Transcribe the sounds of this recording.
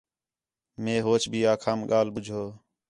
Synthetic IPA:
mẽːɦoːt͡ʃbʱiːaːkʰaːmɠaːlɓʊd͡ʒʱoː

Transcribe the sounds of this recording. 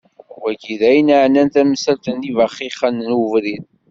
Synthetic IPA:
wæɡiðæjənaʕnænt̪æməsælt̪ənːivəχːiχːənənuvɾið

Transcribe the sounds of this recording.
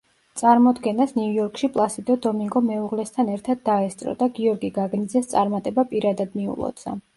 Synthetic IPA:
t̪sʼaɾmɔd̪ɡɛnasniujɔɾkʼʰʃipʼlˠasid̪ʼɔd̪ɔmiŋɡɔmɛuʁlɛst̪ʰanɛɾt̪ʰad̪̚ːaɛst̪sʼɾɔ̰d̪aɡiɔɾɡiɡaɡnid̪zɛst̪sʼaɾmat̪ʼɛbapʼiɾad̪ad̪miṵlˠɔ̰t̪sa̰

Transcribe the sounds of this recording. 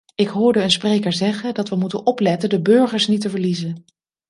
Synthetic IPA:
ɪkɦʊːɹdəənsprejkəɹzɛχədɑtʋəmutənʔɔplɛtədəbɵɹχəɹsnitəvəɹlizən

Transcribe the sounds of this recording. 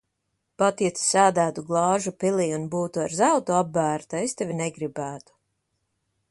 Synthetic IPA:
pat̪iɛt̪ssæːd̪æːt̪uɡlˠɑːʒupiliːunbuːt̪uaɾzawt̪uabːæːɾt̪aest̪evʲineɡɾibæːt̪u̥

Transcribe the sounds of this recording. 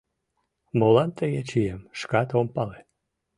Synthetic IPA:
molɑnt̪ejet͡ɕijemʃkɑt̪ompɑle

